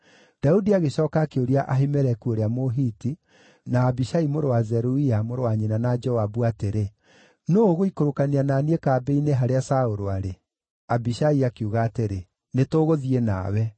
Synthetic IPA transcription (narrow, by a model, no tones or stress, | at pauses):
d̥audiaɣeɕɔːkakeoɾiaʔaɦemɛɾɛkuoɾeamoɦiti | naːbiʃaimoɾowazɛɾuiamoɾowaɲenanad͡ʒɔwabuateɾe | noɣoikoɾokanianaːniekaːbeineɦaɾeasaoɾoaɾe | abiɕaiakeuɣaːteɾe | netoːɣoðiena̰ːwɛ